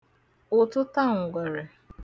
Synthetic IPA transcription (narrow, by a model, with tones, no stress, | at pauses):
ʊ˨tʊ˦ta˦˨ŋ̩˨ɡʷe˨ɾe˨